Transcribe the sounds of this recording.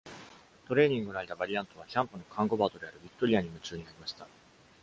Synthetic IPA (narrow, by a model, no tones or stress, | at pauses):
t̪o̞ɾe̞ːɲ̟ĩŋɡɯ̟nait̪abaɾʲiãnt̪o̞β̞açãmpɯ̟nokʰãŋɡo̞baːt̪o̞d̪e̞aɾɯ̟bʲikt̪ːo̞ɾʲiaɲ̟imɯ̟t͡ɕɨːɲinaɾʲimaɕi̥t̪a